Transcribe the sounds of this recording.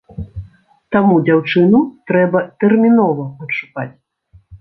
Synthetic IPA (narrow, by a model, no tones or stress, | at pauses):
t̪amud͡zʲawt͡ʂɨnut̪ɾɛbɐt̪ɛrmʲinɔvɐɐt̪ʂuka̰t͡sʲ